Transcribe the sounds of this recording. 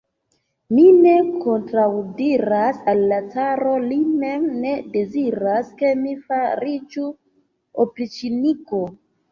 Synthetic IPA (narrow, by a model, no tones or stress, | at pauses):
mine̞kʰo̞ntɾawdiɾasalːat͡saɾo̞lime̞mne̞de̞ziɾaske̞mifaɾid͡ʒu | opɾit͡ʃiniko̞